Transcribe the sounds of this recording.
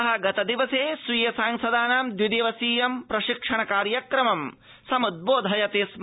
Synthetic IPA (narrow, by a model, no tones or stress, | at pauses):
ɦɐɡɐt̪ɐd̪iʋɐseːsʋiːjɐsaːŋsɐd̪aːnaːmd̪jid̪eːʋɐsiːjɐmpɾɐʃikʂɐɳɐkaːɾjɐkɾɐmɐm | sɐmud̪̚boːd̪ʱɦɐjɐt̪eːsm